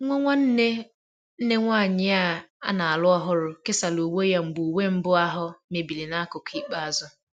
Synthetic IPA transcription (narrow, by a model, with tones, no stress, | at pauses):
ŋʷɔ˦ŋʷa˦n̩˦ne˦ | n̩˦ne˦ŋʷaː˦˨ɲɪ˦a˦a̰˦na˨a˨lʊ˦ɔ˦ɦʊ˦ɾʊ˨kɪ˦sa˨lo˨wo˦ja˦m̩˨ɡ͡bu˨we˦m̩˦bʊ˦a˦ɦʊ˦me˨bi˨li˨na˦kʊ˨ki˦k͡pa˦a˨zʊ˦